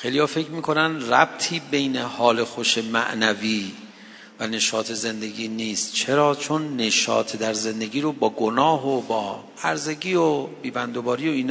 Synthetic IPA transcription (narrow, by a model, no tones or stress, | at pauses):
xejlijɒːfe̞kʰmiːkʰo̞nænd̪ræb̚t̪ʰiːbe̞jne̞hɒːle̞xoʃe̞mæ̰ʔnæviː | væne̞ʃɒːt̪ʰe̞ze̞nd̪e̞ɡiːniːst̪̚t͡ʃʰe̞ɾɒːt͡ʃʰonːe̞ʃɒ̰ːt̪ʰed̪æɾze̞nd̪e̞ɡiːɾobɒːɡonɒːɦobɒː | æɾze̞ɡiːobiːbænd̪obɒːɾijoiːn